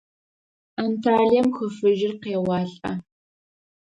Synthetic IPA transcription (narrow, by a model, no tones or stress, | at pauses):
antʰaːɮijɐmxəfɨʒɪrqeːwɑːɬʼɐ